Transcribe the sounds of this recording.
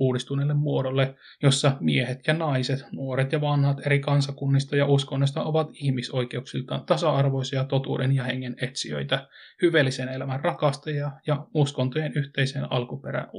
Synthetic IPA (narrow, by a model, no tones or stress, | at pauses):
uːdist̪unelːemmuodolːe | josːɑmiehet̪jɑnɑiset̪nuoɾet̪jɑʋɑnhɑt̪eɾikɑnsɑkunːist̪ɑjɑuskonːos̬ʲt̪ɑʔoʋɑt̪ihmiso̞ike̞uksilt̪ɑt̪ɑsɑɑrʋoisɑjɑt̪ot̪ṵːdenjɑheŋːenet̪siø̰it̪æ | hyʋelːisenelæmænrɑkɑst̪ejɑjɑuskont̪ojenyht̪eiseːnɑ̰lkupeɾæ̰